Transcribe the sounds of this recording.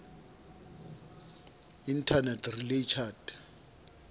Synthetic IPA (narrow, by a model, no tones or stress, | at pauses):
intʰanɛtʰrileit͡ʃʰaːd